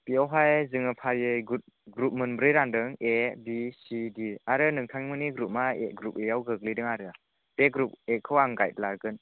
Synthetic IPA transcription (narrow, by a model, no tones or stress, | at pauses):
piawɦajzɯŋɯpʰaɾjɯjɡut̚ | ɡɾup̚mɯnbɾɯjɾandɯŋebisidiaɾɯnɯŋtʰaŋmɯniɡɾup̚maeɡɾup̚ejawɡɯɡ̚lidɯŋaɾɯ | peɡɾup̚ekʰɯwaŋɡajt̚laɡɯn